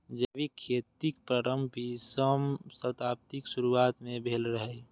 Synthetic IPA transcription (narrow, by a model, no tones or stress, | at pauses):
d͡ʒəbikʰeːt̪ikpɾəɾəmbʱisəmsət̪aːp̚t̪iksuɾuaːt̪mẽbʱeːlɾəɦɛ